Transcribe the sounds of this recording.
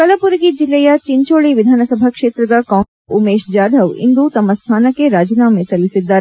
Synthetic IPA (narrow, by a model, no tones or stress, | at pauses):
kɐlɐpuɾɡid͡ʒilːejɐt͡ʃiɲt͡ʃoːɭiʋid̪ʱaːnɐsɐbʱakʂeːt̪ɾɐd̪ɐkaː | umeːʃd͡ʒaːd̪ʱɐʋḭnd̪ut̪ɐmːɐst̪ʰaːnɐkːeɾaːd͡ʒinaːmesɐlːisid̪ːaːɾe